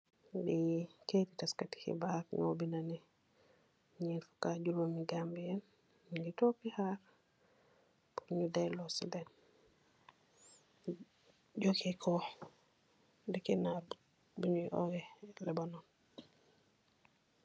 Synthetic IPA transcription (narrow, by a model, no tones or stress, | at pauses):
biketitaskati̥hḭbakŋo̰binanɛ | ɲinfu̥kaɟuɾamiɡambijɛn | ɡitɔkihaɾ | puɲudajlɔsḭdɛn | ɟokikʰɔ | dɛkɛna | buɲuʔɔ̰wɛlɛbanɔn